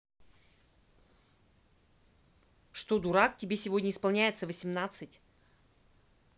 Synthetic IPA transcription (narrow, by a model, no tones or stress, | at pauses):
ʂt̪od̪ʊɾak̚tʲɪbʲesʲɪvo̞dʲnʲəɪspɐlˠnʲæjɪt̪səvəsʲɪmnat̪sɨtʲ